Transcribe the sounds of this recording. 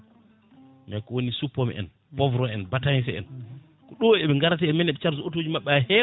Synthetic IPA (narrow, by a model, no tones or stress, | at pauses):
mɛkɔwonisupːɔmɛ̰ʔɛ̰n | bɔvɾɔɛnbatansɛɛ̰n | kɔɗɔɛɓɛŋɡaɾataɛnmɛnɛɓɛt͡ʃaɾsuotod͡ʒimaɓːɛahɛ